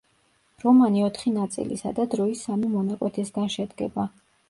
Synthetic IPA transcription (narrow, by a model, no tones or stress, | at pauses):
ɾɔmaniɔt̪ʰχinat̪sʼḭlḭsa̰d̪ad̪ɾɔisːamimɔnakʼwɛt̪ʰɛsɡanʃɛd̪ɡɛba